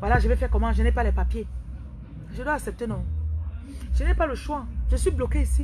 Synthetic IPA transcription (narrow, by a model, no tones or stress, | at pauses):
vwalaʒəvɛfɛkɔmãʒənɛpalɛpapje | ʒd̪waːksɛp̚t̪enɔ̃ | ʒənɛpaləʃwaʒəsɥiblɔkeisi